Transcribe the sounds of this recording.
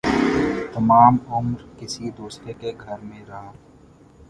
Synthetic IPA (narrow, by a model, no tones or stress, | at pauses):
t̪ɐmaːmʊmɾkɪsid̪oːsɾekeɡʱɐɾmẽɾa